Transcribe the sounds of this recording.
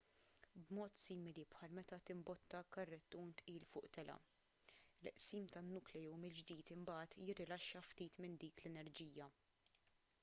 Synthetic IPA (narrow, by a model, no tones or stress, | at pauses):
bmɔːt̪siːmɪlipħɐlmɛt̪ɐt̪ɪmbɔt̪ːɐkɐrːɛt̪ːuːnt̪ʔiːlfʊːʔt̪ɛlɐ̰ | lɛʔsiːmt̪ɐnːʊklɛjuwmɪld͡ʒd̪iːt̪ɪmbɐːt̪jɪrːɪlɐʃːɐft̪iːt̪mɪnd̪iːklɛnɛɾd͡ʒiːjɐ